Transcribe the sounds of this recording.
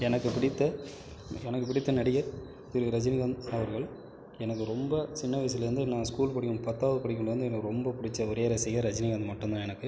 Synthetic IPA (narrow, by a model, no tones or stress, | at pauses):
ɛnɐkːɯpɪɽɪt̪ːɐ | ɛnɐkːɯp̬ɪɽɪt̪ːɐnɐɽɪɣɐɾ | t̪ɪɾɯɾɐd͡ʒɪnɪɣɐnɐʋɐɾɣɐɭ | ɛnɐkːɯɾɔmbɐt͡ʃɪnːɐʋɐɪs̬ɪlɐɾɯnd̪ɯnãːskuːlpɐɽɪkːɯmpɐt̪ːaːʋɐðɯpɐɽɪkːɯɳɭɖɐɾɯnd̪ɯɛnɐkːɯɾɔmbɐpʊɽɪt͡ʃːɐɔɾeːɾɐsɛjɣɐɾɐd͡ʒɐnɪɡɐnd̪ɯmɐʈːɯnd̪ãːɛnɐkːɯ